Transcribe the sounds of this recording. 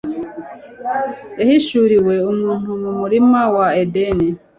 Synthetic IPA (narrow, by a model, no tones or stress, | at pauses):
eɦiʃuɾiweununumumuɾimawaedeni